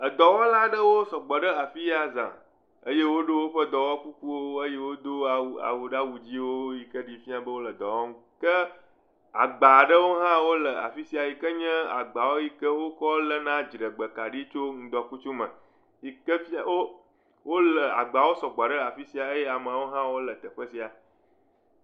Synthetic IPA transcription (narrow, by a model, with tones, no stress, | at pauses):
ə˨d̪ɔ˨wɔ˦la˦ɖə˦wo˦sɔ˨ɡ͡bɔ˨ɖə˦a˨fi˦ja˨zã̰˨ | ə˦je˦wo˦ɖo˦wo˦ɸə˦d̪ɔ˨wɔ˦ku˦ku˦wo˦ə˦je˦wo˦d̪o˦a˨a̰˨wu˨ɖa˦wu˨d͡ʑi˦wo˦ji˨kə˦ɖi˨fi˦a˦bə˦wo˦lə˨d̪ɔ˨wɔ˦ŋũ˦kə˦ | a̰˨ɡ͡ba˨ɖə˦wo˦ɦã˦wo˦lə˨a̰˨fi˦si˨˦a˨ji˨kə˦ɲɛ̃˦a̰˨ɡ͡ba˨wo˦ji˦kə˦wo˦kɔ˦lə˨nã˦d͡ʒi˨ɖə˨ɡ͡bə˨ka˨ɖi˦t͡ʃo˦ŋ̩̃˦d̪ɔ˨ku˦t͡ʃu˦mə̃˨ | ji˨kə˦fi˦a˦wo˦ | wo˦lə˨a̰˨ɡ͡ba˨wo˦sɔ˨ɡ͡ba˨ɖə˦a˨fi˦si˨a˨ə˦je˦a˨mə˨a˨wo˦ɦã˦wo˦lə˨t̪ə˨ɸə˦si˨a˨